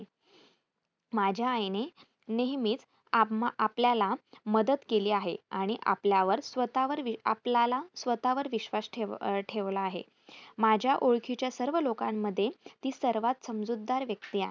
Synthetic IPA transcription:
mad͡ʑʱjaːjne | neɦmiːt͡s | aapljalaməd̪ət̪keliːaɦḛaɽ̃iʔa̰pljaʋəɾsʋət̪aʋəɾʋia̰plalasʋət̪aʋəɾʋiɕʋasʈʰeʈʰeʋlaːɦḛ | mad͡ʑʱjaʔoɭkʰit͡ɕjasəɾʋəlokãmːəd̪ʱːjet̪iːsəɾʋat̪səmd͡zud̪ːaɾʋjək̚t̪iːa

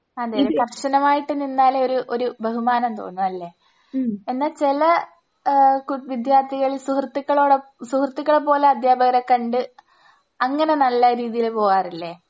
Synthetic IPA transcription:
ɐd̪ejɾɐmk̪ɐrʂɐnɐmaːjiʈːɨnːinːaːleo̞ɾuʔoɾubʱɐɦumaːnɐmt̪o̞̰ːnːuɐlːe̞ː | enːaːlt͡ɕelɐ | kʋid̪jaːrt̪ʰiɣɐɭilsuhɐrt̪ːikːɐɭoːɽɐsuhrt̪ːikːɐɭepo̞ːleɐd̪jaːbɐɣɐɾɐkːɐɳɖɨ | ɐŋːɐne̞nɐlːɐɾiːðijilepo̞ːɣaːrilːeː

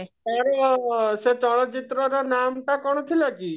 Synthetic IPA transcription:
aɾɔset͡ʃɔɭ̃ɔt͡ʃit̪ɾɔɾɔnamʈakɔɽ̃ɔt̪ʰilaki

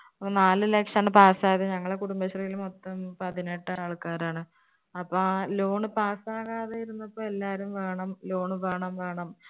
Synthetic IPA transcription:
ɐpːonaːlɨlekʂɐɳɨpaːsaːðeɲɐŋːɐɭekuɽumbɐɕɐrɐɣilumot̪ːɐmpɐðineʈːɨaːɭkaːɾaːɳɨ | ɐpːɐlo̞ːɳɨpaːsaːɣaːðejiɾunːɐpːoːelːaːɾumʋe̞ːɳɐmlo̞ːɳɨʋe̞ːɳɐmʋe̞ːɳɐm

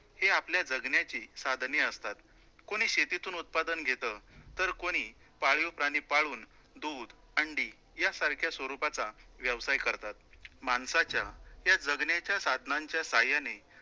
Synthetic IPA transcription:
heapljad͡zəɡnjat͡ɕiːsad̪ʱneəst̪at̪ | koɽ̃iːɕet̪it̪uːnut̪̚pad̪ənɡʱet̪ət̪əɾkoɽ̃iː | paɭjopɾaɽ̃ipaɭuːn | d̪ud̪ | əɳɖiː | jasaɾkʰjasʋəɾupat͡saʋjəʋsajkəɾt̪at̪̚mansat͡ɕjajad͡zəɡnjat͡ɕjasad̪ʱnaɲt͡ɕjasajane

